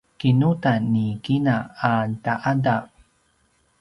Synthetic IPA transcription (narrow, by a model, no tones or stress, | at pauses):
kinutanːikinaːtaʔada